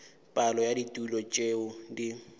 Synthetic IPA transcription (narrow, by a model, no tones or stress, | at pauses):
pʼalɔjaditʼulɔt͡ʃʼeʊdi